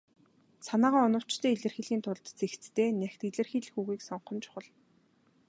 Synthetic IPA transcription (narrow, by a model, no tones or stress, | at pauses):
sanaːʁaːɔnɞ̆w̥t͡ɕt̪ʰeːɮɘ̆rxĭɮɣiːnt̪ʰʊɮt̪t͡sʰext͡st̪ʰeːnæxt̪iɮɘ̆rxiːɮxuːɣiːksɔɴχɞ̆nt͡ɕʊ̥χə̆ɮ